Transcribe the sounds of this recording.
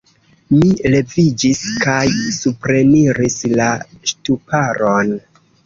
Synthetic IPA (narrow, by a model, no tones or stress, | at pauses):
mile̞vid͡ʒiskajsupɾe̞niɾislaʃtupaɾon